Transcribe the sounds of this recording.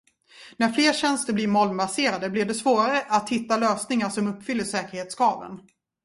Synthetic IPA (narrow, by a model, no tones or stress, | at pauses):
næɾfleːɾɕɛnst̪əblɪɾmɔlmbaseːɾad̪əblɪvɖɛsvoːɾaɾəʔat̪hɪt̪ːaløːsnɪŋaʂɔmɵpːfʏlːəʂɛːkəɾheːt̪skɑːvə̰n